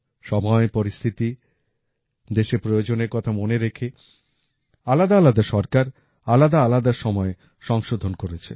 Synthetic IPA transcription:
ʃɔmɔepoɾist̪ʰit̪i | d̪eʃepɾojod͡ʑoneɾkɔt̪ʰamoneɾekʰe | alad̪aalad̪aʃɔɾkaɾ | alad̪aalad̪aɾʃɔmɔe | ʃɔŋʃod̪ʱonkoɾet͡ɕʰḛ

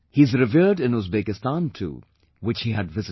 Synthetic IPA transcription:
hizɾɨviɹɖɪ̃nuzbekɨstãntʰṵ | wɪt͡ʃhiɨdvɪz

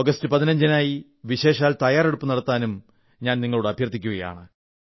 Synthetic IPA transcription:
oɡɐstɨpɐðinɐɲd͡ʑɐnaːji | ʋiɕe̞ːɕaːlt̪ɐjaːreɽupːɨnɐɽɐt̪ːaːnum | ɲaːnniŋːɐɭuɽeɐbʱjɐrt̪ːikʲːuɣɐja̰ːɳɨ

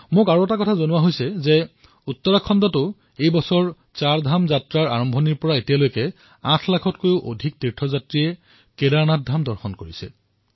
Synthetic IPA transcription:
mʊkaɹuɛtakɔtʰazonʊwaɦojsɛzɛ | ut̪ːɔɹakʰːɔndɔtʊ | ejbɔsɔɹ | t͡saɹdʱamzatɹaɹaɹɔmbʱɔniɹpɔɹaetijalojkɛ | ãtʰlakʰɔtkojʊʔo̰dʱik̚tiɹtʰɔzatɹijɛ | kedaɹnat̚dʱamdɔɹxɔnkoɹisɛ

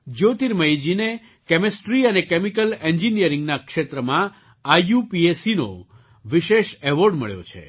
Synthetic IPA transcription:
d͡ʒot̪iɾməjd͡ʒine | kɛmesʈɾiənekemikəleɲd͡ʒinijəɾɪ̃ŋɡnakʃet̪ɾəmã | ajupiesino̰ | ʋiʃeʃɛʋoɾɖmə̰ɭjo̰t͡ʃʰḛ

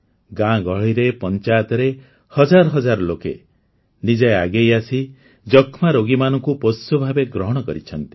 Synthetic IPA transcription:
ɡãɡɔɭiɾepɔnt͡ʃajt̪ɔɾe | hɔd͡ʒaɾɔɦɔd͡ʒaɾɔlokḛ | nid͡ʒajaɡejasi | d͡ʒɔkʰmaɾoɡimanɔŋkupɔsubʱabeɡɾɔɦɔɽ̃ɔkɔɾit͡ʃʰɔnt̪i

